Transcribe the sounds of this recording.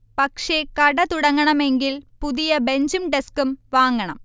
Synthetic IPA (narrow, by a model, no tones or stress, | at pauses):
pɐkʂe̞kɐɽɐt̪uɽɐŋːɐɳɐme̞ŋɡilpuðijɐbe̞ɲd͡ʑumɖeskumʋaːŋːɐɳɐ̰m